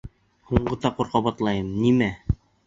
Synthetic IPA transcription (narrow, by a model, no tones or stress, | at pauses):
huɴɢɤ̆t̪ɑquɾqɑβɑt̪lˠɑjɤmnimæ